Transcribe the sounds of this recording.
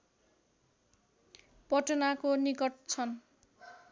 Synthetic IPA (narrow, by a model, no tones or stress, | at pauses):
pʌʈʌnakonikʌʈt͡sʰʌn